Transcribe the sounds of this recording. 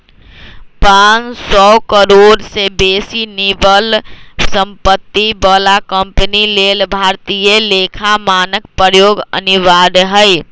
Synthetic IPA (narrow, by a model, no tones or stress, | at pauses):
pãnsɔkəɾoɖsebesinibəlsəmpət̪ːibəlakəmpənilelbʱaɾt̪ijəlekʰamanək̚pɾəjoɡə̰niʋaɾɦəɪ